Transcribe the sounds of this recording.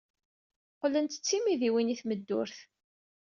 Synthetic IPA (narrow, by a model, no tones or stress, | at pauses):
qlənt̪ə̥t͡sːimiðiwiniθməd̪ːʊɾθ